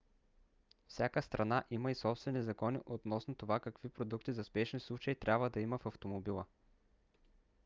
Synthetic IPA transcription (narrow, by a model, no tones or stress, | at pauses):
fsʲjakəst̪ɾʔɐnaʔiməisɔpst̪vɛnizɐkɔnḭʔot̪nɔsnot̪ovakɐkvipɾod̪ukt̪izɐspɛʃnislˠut͡ʃəit̪ɾʲabvəd̪ɐiməfɐft̪omobilˠə